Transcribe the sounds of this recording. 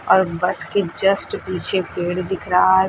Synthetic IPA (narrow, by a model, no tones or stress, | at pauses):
ɔːɾbɐsked͡ʒɐsʈpiːt͡ʃʰepeːɽd̪ɪkʰɾa